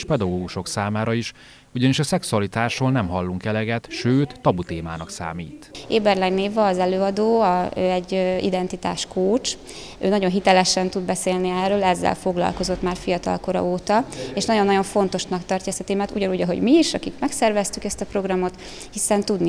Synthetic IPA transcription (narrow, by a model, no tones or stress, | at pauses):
ʃpɛd̪ɒɡoːɡuʃo̞ksaːmaːɾɒiʃ | uɟɒniʃɒsɛksuɒlit̪aːʃoːlnɛmɦɒlːuŋkɛlɛɡɛt̪ʃøːt̪ːɒbut̪eːma̰ːnɒksa̰ːmiːt̪eːbɛrlɛɡneːvɒːzɛløːɒd̪oːɒøɛɟːḭd̪ɛnt̪it̪a̰ːʃkoːt͡ʃ | øːnɒɟo̞nɦit̪ɛlɛʃɛnt̪ud̪bɛseːlniɛrːøːlɛzːɛ̰lfo̞ɡlɒ̰lko̞zo̞t̪maːrfijɒt̪ɒ̰lko̞ɾɒ̰oːt̪ɒeːʃnɒɟjonːɒɟo̞ɱfo̞n̪t̪o̞ʃnɒkt̪ɒrcɒɛst̪ɒt̪eːmaːt̪uɟɒnuɟɒɦo̞̰ɟmiːʃɒ̰kikmɛksɛrvɛst̪ykɛst̪ɒpɾo̞ɡrɒmo̞t̪ | hisɛnt̪ud̪ni